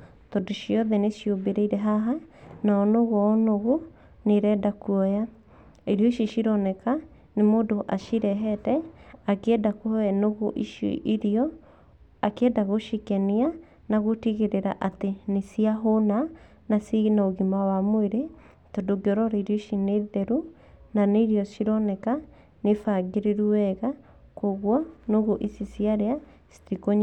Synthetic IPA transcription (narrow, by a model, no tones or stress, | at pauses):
tɔdoʃjɔðɛneʃjobeɾɛiɾɛɦaɦanaɔnoɣoɔnoɣo | neɾɛdakuɔja | eɾjɔiʃoʃiɾɔnɛka | nemoːdoʔaʃiɾɛɦɛtɛakeɛdakoɛnoɣoʔiʃo̰ʔiɾiɔ | akeɛdaɣoʃikɛnia | naɣotiɣeɾeɾa̰ʔatenesiaɦona | nasinaoɣimawamweɾe | todoɡɔɾɔɾeɾoʃineðɛɾu | naneɾiɔsiɾɔnɛka | nefaɡeɾeɾuɛɣa | koɣwɔnoɣoʔisisiaɾea | si̥tikoɲ